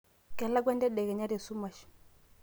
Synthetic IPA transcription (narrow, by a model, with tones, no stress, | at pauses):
kɛ˨la˦ɡwa˦ndɛ˦ɗɛ˨ɣɛ˨ɲa˦ɾɛ˨su˦ma˨ʃ